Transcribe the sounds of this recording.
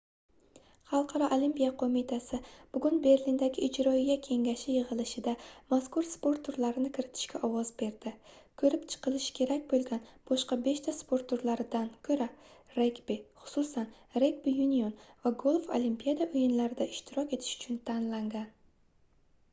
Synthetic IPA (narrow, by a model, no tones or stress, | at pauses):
χɑlˠqʰɑɾɒʔolimpijaqʰomit̪ʰasɪb̥ʊɡʲʊnbe̞ɾlind̪aɡʲɪʔɪd͡ʒɾɒjakʲʰe̞ŋɡʲaʃɪjɨʁɨlˠɪʃɪd̪amaskʊɾspo̞ɾt̪ʰʊɾlaɾɪnɪkʲʰɪɾɪt̪ʰɪ̥ʃkʲaʔɒwɒzbe̞ɾd̪̥ɪkʰɵɾɪpt͡ʃʰɨ̥qʰɨlˠɪʃkʲʰe̞ɾak̚ʲbolˠɡʲanb̥ɒʃqɑbe̞ʃt̪ʰaspʰo̞ɾt̪uɾlaɾɪd̪ankʲʰɵɾaɾekbiχʊ̥sʊsan | ɾekbijunionvaɡolˠfolimpijad̪aʔʊjɪnlaɾɪd̪aɪʃt̪ʰɪɾɒkʲe̞t̪ʰɪ̥ʃʊ̥t͡ʃʰʊnt̪ʰanlaŋɡʲan